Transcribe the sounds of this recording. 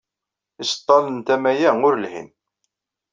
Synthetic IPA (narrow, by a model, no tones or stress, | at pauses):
ist̪ˤːɑlənt̪æmæjæʊɾəlhḭn